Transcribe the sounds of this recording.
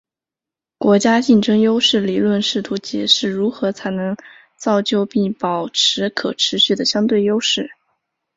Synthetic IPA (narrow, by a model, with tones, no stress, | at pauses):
kwɔ˧˥t͡ɕja˥t͡ɕi˥˩nʈ͡ʂɤ˥ŋjo˥ʊʂɻ̩˥˩li˨˩lwə˥˧nʂɻ̩˥˩t̪ʰu˧˥t͡ɕjɛ˨˩ʂɻ̩˥˩ɻu˧˥xɤ˧˥t͡sʰa˧˥ɪnɤ˧˥ŋ | t͡sɑ˥˧ʊt͡ɕjo˥˧ʊpi˥˩pɑ˨˩ʊʈ͡ʂʰɻ̩˧˥kʰɤ˨˩ʈ͡ʂʰɻ̩˧˥ɕy˥˩d̪ə˩ɕjɑ˥ŋt̪we˥˩ɪjo˥ʊʂɻ̩˥˩